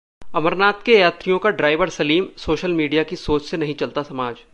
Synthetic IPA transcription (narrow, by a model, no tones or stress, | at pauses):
ɐməɾnaːt̪kejaːt̪ɾijõkaɖɾaːɪʋəɾsɐliːmsoːʃəlmiːɖijakisoːt͡ʃsenɐɦĩt͡ʃɐlt̪asɐmaːd͡ʒ